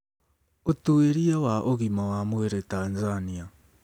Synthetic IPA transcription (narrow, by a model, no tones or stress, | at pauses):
otueɾiawaʔoɣimawamweɾetanzania